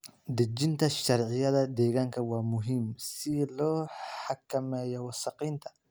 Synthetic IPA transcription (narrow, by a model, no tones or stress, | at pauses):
d̪ɪd͡ʒɪnt̪ʰɐʃɐɾʕɪjɐðɐd̪ɛːɣaːŋkʰɐwɑːmʊɦiːmsɪlɔːħɑkʰːɐmɛːjɔwɑsɑqiːnt̪ʰɐ̥